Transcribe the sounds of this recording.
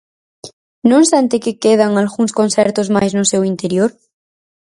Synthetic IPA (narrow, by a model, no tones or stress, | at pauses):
nõŋsant̪ekekeð̞aŋalɣuŋskonθɛɾt̪ozmajznʊsewint̪eɾjoɾ